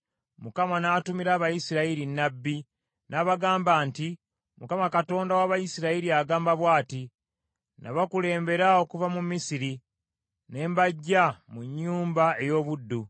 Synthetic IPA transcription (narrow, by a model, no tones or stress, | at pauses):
mukamanaːtumiɾaːβajisiɾaiɾinːabːi | naβaɡaːmbaːnti | mukamakato̞ːndawaβajisiɾaiɾiaɡaːmbaβwaːti | na̰βakule̞ːmbe̞ɾao̞kuvamumːisiɾi | ne̞ːmbaɟːamuɲːuːmbae̞jo̞ːβudːu